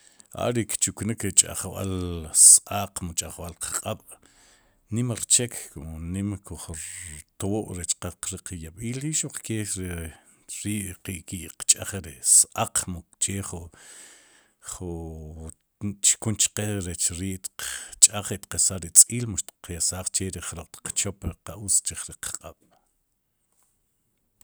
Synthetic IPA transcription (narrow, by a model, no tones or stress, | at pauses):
ʔa̰ɾikt͡ʃuknikɾit͡ʃʼa̰χwa̰lsʔaqmut͡ʃʼaχwalqḁqʼaɓ̥ | nimaɾt͡ʃekʰkunimkʰuχɾt̪oʔɾet͡ʃqaqɾiqjaɓiːlɾiʃuq͡χkeɾi | ɾiːʔqiʔkiʔqt͡ʃʼaχɾisʔaq͡χmut͡ʃeːχu | χu | t͡ʃkunt͡ʃqeɾet͡ʃɾiːʔt̪qt͡ʃʼaχit̪qasaɾit͡sʼiːlmuʃt̪i̥qjasaːχt͡ʃeɾiχɾoq͡χt̪i̥q͡χt͡ʃopɾiqaʔut͡st͡ʃiχɾiqqʼaɓ̥